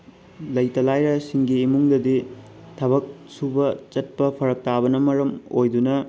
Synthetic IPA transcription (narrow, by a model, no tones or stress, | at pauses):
lɐjtɐlajɾɐsiŋɡiːmuŋdɐdi | tʰɐbɐk̚subɐt͡ʃɐt̚pɐpʰɐɾɐk̚tabɐnɐmɐɾɐmojdunɐ